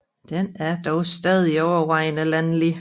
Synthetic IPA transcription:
d̥enæɐd̥ɒʊsd̥ɛːð̞ˠiɒʊɐʋɑ̈ɪ̰nəlænli

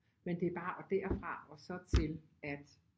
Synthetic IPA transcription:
mend̥e̝æɐb̥ɑ̈ːʔɒ̽d̥æɐ̰fʁɑ̈ɒ̽sɒ̽t͡sʰe̝l | æd̥

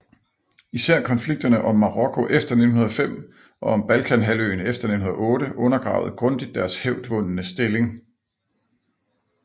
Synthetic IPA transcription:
isæɐ̰kʰɒ̽nfliɡ̥̚d̥ɐnəʔɒ̽mːɑ̈ʁɒ̽kʰo̝ʔefd̥ɐne̝dn̩ɦunɐðˠfem̰ | ʔɒ̽ɒ̽mb̥ælkʰænɦælø̰ːnefd̥ɐne̝̥nhunɐɔ̽ːɾəʔɔ̽nɐɡ̥ʁɑ̈ʊð̞̩ˠɡ̥ʁɔ̽nd̥id̥ːæɐsheʊd̥ʋɔ̽nnəsd̥e̝le̝ŋ

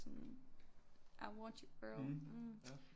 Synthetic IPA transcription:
n | ʔaɪwɑ̃nt͡ʃɨb̥ɜm̩

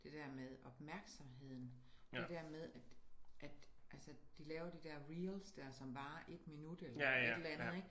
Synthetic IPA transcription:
d̥e̝d̥æɐ̰meðˠɒ̽b̥mæɐɡ̥sɒ̽mɦe̝ð̞̰ˠn̩ | e̝d̥æɐ̰með̞ˠæd̥ʔæd̥ʔælsəd̥ilɛːʊɐd̥id̥æɐ̰ʁiːlsd̥æɐsɒ̽mb̥ɑ̈ːʔe̝d̥minud̥elɐedæn̩ð̩ˠeɡ̥

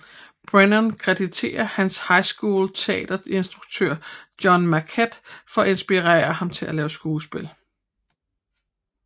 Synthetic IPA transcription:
b̥ʁenɔnkʰʁɛd̥it͡sʰe̝̰ːɐhænshɑ̈ɪsɡ̥uːlt͡sʰe̝ɛ̰ːd̥ɐe̝nsd̥ʁuɡ̥̚t͡sʰøɐ̰d̥jɒ̽nmækʰed̥fɒ̽ɒ̽e̝nsb̥iʁɛ̰ːɐhɑ̈mt͡sʰe̝lælɛːʊsɡ̥uːsb̥e̝l

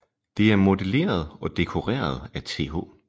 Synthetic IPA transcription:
d̥e̝æɐmo̝d̥e̝le̝̰ːɐð̞ˠɒ̽d̥e̝kʰo̝ʁɛ̰ːɐð̞ˠæt͡sʰe̝̰ːɦo̝̰ː

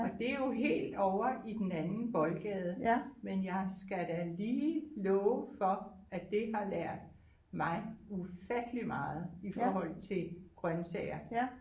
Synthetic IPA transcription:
ɒ̽d̥e̝jo̝ɦe̝̰ːld̥ɒʊɐʔid̥en̩ænn̩b̥ɒ̽lɡ̥ɛð̞ˠmenjɑ̈ɪsɡ̥æd̥æliːlɔːʊfɒ̽æd̥e̝ɦɑ̈læɐ̰d̥ | mɑ̈ɪufæd̥limɑ̈ːð̞̩ˠifɒːɦɒ̽l̰t͡sʰe̝ɡ̥ʁɶnsɛɪ̰ɐ

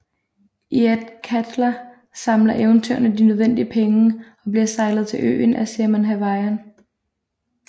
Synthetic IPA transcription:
ʔiæd̥kʰæd̥lɐ | sɑ̈mlɐʔeʊnt͡sʰøɐ̰nəd̥inøð̞ˠʋen̰d̥iəpʰeŋəɒ̽b̥liɐsɑ̈ɪlð̞̩ˠt͡sʰe̝lʔø̰ːnʔæseɐmænɦæʋɑɪɐn

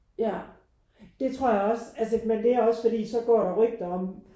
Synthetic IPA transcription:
jæ | d̥e̝t͡sʰʁo̝ɐ̰jɑ̈ɒ̽sælsəmend̥e̝æɐɒ̽sfɒ̽d̥ḭːsɒ̽ɡ̥ɒ̰ːɾɑ̈ʁœɡ̥̚d̥ɐɒ̽m̰

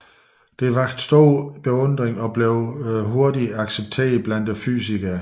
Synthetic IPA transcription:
d̥e̝ʋɑ̈ɡ̥sd̥oːb̥e̝ɔ̽n̰d̥ʁeŋɒ̽b̥le̝ʊɦo̝ɐdiɑ̈ɡ̥seb̥̚t͡sʰe̝̰ːɐð̩ˠb̥lænd̥fy̰siɡ̥æ

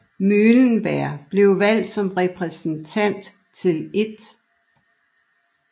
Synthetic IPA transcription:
møːlənb̥æɐ̰b̥le̝ʊʋæl̰d̥sɒ̽mʁɛpʰʁɛsn̩t͡sʰæn̰d̥ | t͡sʰe̝le̝d̥

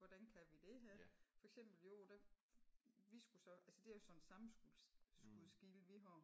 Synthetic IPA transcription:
ʋɒd̥ænkʰæʋid̥e̝ɦæfɒ̽eɡ̥sem̰b̥l̩jo̝d̥æ | ʋisɡ̥usɒ̽ʔælsəd̥e̝æjo̝sɒ̽nsɑ̈m̩ɡ̥usɡ̥uðˠsɡ̥iːləʋiɦɑ

